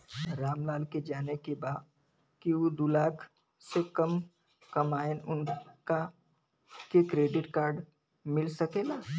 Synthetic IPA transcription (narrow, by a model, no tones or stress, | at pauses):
ɾaːmlaːlked͡ʒaːnekebaːt̪ | kiod̪ulaːkʰ | sekɐm | kɐmaːɪnʊnka | kekɾeːɖɪʈkaːɾɖ | mɪlsɐkelaː